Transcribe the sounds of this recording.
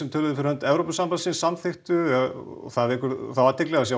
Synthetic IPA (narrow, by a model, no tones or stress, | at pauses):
sɛmt̪ʰœːlʏðʏfɪɾhœnt̪ɛvɾowpʏsampansinsamθɪxt̪ʏɛ̰ | θaðvɪkʏɾθaðvaɾt̪ʰɪklɛɣas̬ja